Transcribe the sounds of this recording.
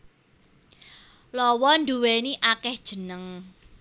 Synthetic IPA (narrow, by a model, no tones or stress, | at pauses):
lɔwɔnd̪uweniʔakɛhd̥ʒ̥ə̤nəŋ